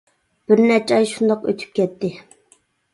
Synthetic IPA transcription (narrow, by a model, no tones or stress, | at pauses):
b̥ɪɾnæɾt͡ʃʰɑjʃund̪ɑqø̰t̪ʰy̥p̚kʲʰɛt̪ʰːɪ